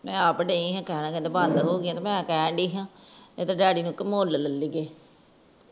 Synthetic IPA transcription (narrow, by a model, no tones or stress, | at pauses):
mɛ̃ːapɖeːĩːɦãːkɛːnãːked̪aːbaːnd̪ɦoːɡɪãːt̪aːmɛ̃ːkɛ̃ːɖiːɦãːet̪aɖɛːɽiːnũːkːmoːlləlːiɡeː